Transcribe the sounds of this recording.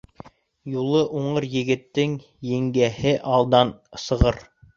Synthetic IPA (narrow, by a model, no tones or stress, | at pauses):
julˠɤʔuɴɤɾjɘ̆ɡɘ̆t̪ːɘŋ | jɘ̆ŋɡæhɘʔɑlˠd̪ɑnsɤ̆ʁɤɾ